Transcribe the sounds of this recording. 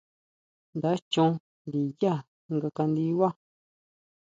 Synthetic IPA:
nd̪a˨˦t͡ʃõ˧ | nd̪i˨ja˦˨˧ | ŋɡa˧ka˧nd̪i˧˦wa˦˨

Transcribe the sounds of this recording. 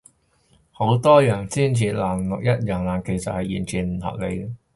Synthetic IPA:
ho˨˧˥wt̪ɔː˥jœː˨˩ŋt͡siː˥˩nt͡sʰiː˨˩t̚laː˨˩ŋlʊ˨k̚jɐ˥t̚jœː˨˩ŋlaː˨˩nke˨˩jsɐ̰˨t̚hɐ˨jːiː˨˩nt͡sʰiː˨˩m̩˨˩hɐ̰˨p̚le˨˧j

